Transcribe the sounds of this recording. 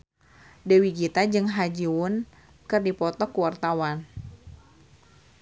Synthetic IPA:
dewiɡit̪ad͡ʒɨŋɦad͡ʒiwʊn | kɨrdipɔt̪ɔkuwart̪awan

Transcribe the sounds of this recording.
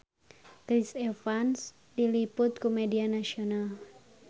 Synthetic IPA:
kɾisefans | dilipʊt̪̚kumedianasional

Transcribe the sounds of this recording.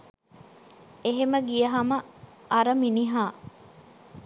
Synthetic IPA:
eɦeməɡijɐɦɐmɐʔɐɾɐminiɦaː

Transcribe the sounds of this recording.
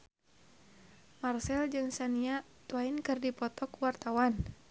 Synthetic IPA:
marsɛld͡ʒɨŋsaniat̪wainkɨrdipɔt̪ɔkwart̪awan

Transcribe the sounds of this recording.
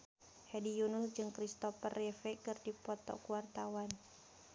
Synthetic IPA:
hɛdijunʊsd͡ʒɨŋkɾist̪ɔfərːɛfɛkɨrdipɔt̪ɔ̰kuwart̪awan

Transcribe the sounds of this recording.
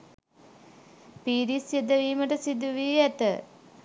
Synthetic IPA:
piːɾisjed̪əʋiːməʈəsid̪uʋiːæt̪ə̰

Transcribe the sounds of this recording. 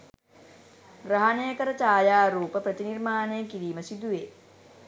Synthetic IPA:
ɡɾaɦanejəkəɾət͡ʃaːjaːɾuːpəprət̪inirmaːnejəkiɾiːməsid̪uʋeː

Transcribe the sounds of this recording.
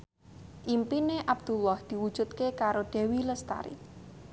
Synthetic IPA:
ʔimpineʔab̥̚d̪̥ṳlɔhd̪̥i̤wud̥ʒ̥ṳt̪̚kekaɾoɖ̪̥e̤wiləst̪a̰ɾḭ

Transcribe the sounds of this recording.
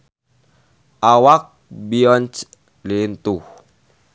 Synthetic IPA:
awak̚biɔnt͡ʃ | lint̪u

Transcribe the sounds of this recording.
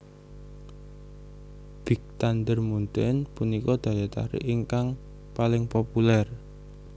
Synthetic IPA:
b̥ik̚t̪and̪ərmunt̪ɪnpunikɔd̪̥ä̤jat̪a̰ɾɪ̰ʔiŋkaŋ | palɪŋpopulɛr

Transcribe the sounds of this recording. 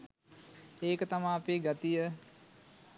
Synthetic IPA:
eːkət̪amaːpeːɡat̪ijə

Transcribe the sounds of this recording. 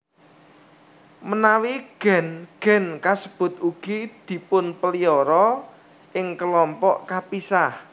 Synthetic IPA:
mənawiɡ̥ɛ̤nɡ̥ɛ̤nkasəb̥ʊ̤t̪̚uɡ̥id̪̥i̤pʊnpəliɔɾɔ | ʔɪŋkəlɔmpɔʔkapisah

